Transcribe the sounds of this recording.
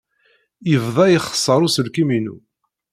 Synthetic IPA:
jəvðˤɑjiχə̥sˤːəɾˤusəlkiminṵ

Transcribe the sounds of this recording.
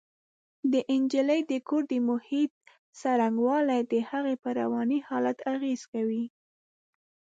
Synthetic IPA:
d̪əʔɪnd͡ʒiləjd̪əkoɾd̪əmʊhit̪̚ | saɾaŋɡwɑlajd̪əhaɣepəɾa̰wɑnihɑlat̪aɣez̥kawi

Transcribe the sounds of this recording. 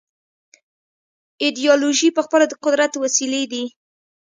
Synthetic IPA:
id̪ijɑloʒipəxpəlad̪əqʊd̪ɾat̪wasiled̪i

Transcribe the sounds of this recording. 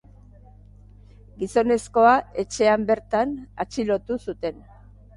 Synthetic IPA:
ɡiso̞ne̞sko̞ae̞t͡ʃe̞ambe̞ɾt̪ana̰t͡ʃilo̞t̪usut̪e̞n

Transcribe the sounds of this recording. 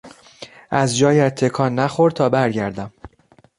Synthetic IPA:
ʔæzd͡ʒɒːjæt̪ʰːe̞kʰɒːnːæχo̞ɾd̪̚t̪ʰɒːbæɾɟæɾd̪æm

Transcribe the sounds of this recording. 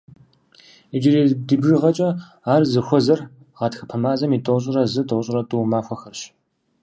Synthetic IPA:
id͡ʒɪɾiːdɨbʒɨʁɐt͡ʃʼɐ | aːrzɨxʷɔzɐr | ʁɑtxɐ̥pʰɐmaːzɐmiːtʼowɕʼɪɾɐzɨtʰʼowɕʼɪrɐtʼuːmaːxʷɔxɐrɕ

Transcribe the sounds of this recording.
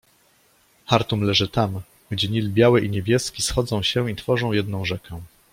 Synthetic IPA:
xaɾt̪umlɛʐɘt̪am | ɡd͡ʑɛɲilbʲjawɛʔiɲebʲjɛskʲisxɔd̪zɔ̃w̃ɕɛit̪fɔʐɔ̃w̃jɛd̪nɔ̃w̃ʐɛkɛ̃

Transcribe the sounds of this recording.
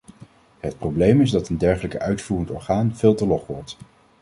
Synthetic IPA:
ɦət̚prowblejmɪzdɑtəndɛɹχələkəœɥtfuːrəntɔ̰ɹχaːnv̥ɪːlˠtəlɔχʋɔɹt

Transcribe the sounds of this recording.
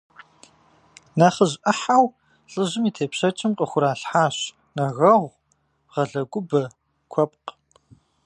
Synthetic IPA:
naːχəʑʔɐħaw | ɬʼɨʑɨmiːtʰeːpɕɐt͡ʃʼɪmqʼəxʷʊɾaːɬħaːɕ | nɐɣɐʁʷ | ʁɐɮɐɡʷʊbɐ | kʷʰɔp̚q

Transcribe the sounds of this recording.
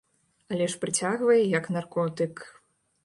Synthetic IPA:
alʲɛʂpɾɨt͡sʲaɣvɐjɛjɐknarkɔt̪ɨk

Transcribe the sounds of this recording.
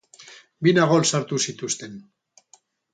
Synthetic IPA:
binaɣolsaɾt̪usit̪ust̪e̞n

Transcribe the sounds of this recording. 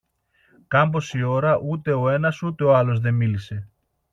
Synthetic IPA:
kɐmbo̞sio̞ɾɐʔut̪e̞o̞e̞nɐsut̪e̞oɐlo̞zðe̞milise̞

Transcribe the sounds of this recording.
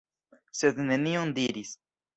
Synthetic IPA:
se̞d̪ne̞niond̪iɾis

